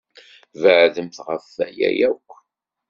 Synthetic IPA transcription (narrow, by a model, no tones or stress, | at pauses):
vəʕðəmθʁəfːæjæ̰jækʷː